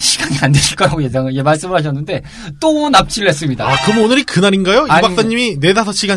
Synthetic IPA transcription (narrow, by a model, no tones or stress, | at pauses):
ɕʰiɡaŋiandweɕʰiɭk͈ʌɾaɡojed͡ʑaŋid͡ʑe̞maɭs͈ɯmɯɭhaɕ̬ʰʌnːɯnde̞ | t͈onap̚t͡ɕ͈iɭːes͈ɯmɲidakɯmnonɯɾikɯnaɾinɡajoibaks͈aɲːimine̞dasʰʌɕʰiɡa